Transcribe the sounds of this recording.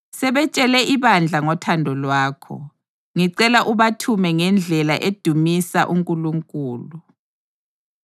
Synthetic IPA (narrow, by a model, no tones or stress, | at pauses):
sɛβɛt͡ʃʼɛlɛʔiβand͡ɮʱaŋɔtʰandʱɔlwaːkʰɔ̰ | ŋiǀɛlaʔuβatʰumɛŋɛnd͡ɮʱɛlaʔed̥ʱumisa̰ʔuŋkʼuluŋkʼuːlu